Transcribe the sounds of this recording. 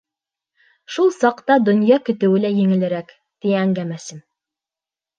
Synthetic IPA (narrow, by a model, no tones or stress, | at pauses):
ʃulˠsɑqt̪ɑd̪ŏnjɑkɵ̆t̪ɘ̆wɘ̆læjɘ̆ŋɘ̆lɘ̆ɾæk | t̪iæŋɡæmæsɘm